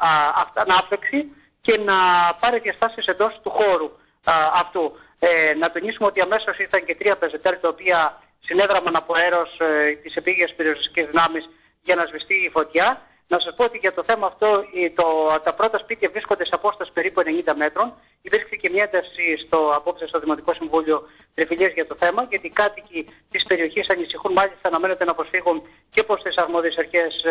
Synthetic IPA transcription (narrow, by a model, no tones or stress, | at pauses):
ɐfɐnɐpleksi | ce̞nɐpɐɾiðiɐst̪ɐsiese̞nd̪o̞st̪uxo̞ɾu | ɐft̪u | nɐt̪onisumeo̞t̪iɐme̞sosit̪ɐɲce̞t̪ɾiɐpezet̪elt̪ɐopiɐ | sine̞ðɾɐmɐnɐpo̞e̞ɾo̞st̪ise̞piʝiɐspe̞ɾio̞sisi̥cizðinɐmis | ʝɐnɐzvist̪iːfo̞t̪çɐ | nɐsɐspoot̪iʝɐt̪o̞θe̞mɐːft̪o̞t̪ot̪ɐpɾo̞t̪ɐspit̪ievɾisko̞nd̪eseɐpo̞st̪ɐsi̥pe̞ɾipueneɲind̪ɐme̞t̪ɾo̞n | ipiɾksece̞mɲɐe̞nd̪ɐfsist̪oɐpo̞psist̪o̞ðimo̞t̪iko̞siɱvuʎio̞ | t̪ɾifiliɐzʝɐt̪o̞θe̞mɐʝɐt̪ikɐt̪icit̪ispe̞ɾio̞çisɐnisixunmɐlist̪ɐːnɐme̞nod̪enɐpɾosfiɣun | ce̞po̞st̪isɐɾmo̞ðiesɐɾçe̞s